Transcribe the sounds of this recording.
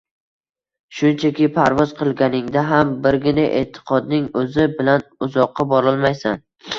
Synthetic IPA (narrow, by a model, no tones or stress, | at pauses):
ʃʊnt͡ʃʰakʲɪpʰaɾvɒz̥qʰɨlˠɡʲanɪŋd̪aɦambɪɾɡʲɪnaʔe̞̰t̪ʰːɪ̥qʰɒd̪nɪŋɵzɪbɪlanʊzɒqːɑbɒɾɒlˠmajsan